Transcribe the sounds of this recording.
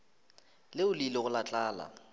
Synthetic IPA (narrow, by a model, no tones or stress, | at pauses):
lɪʊlilɪɣʊlat͡ɬʼaːla̰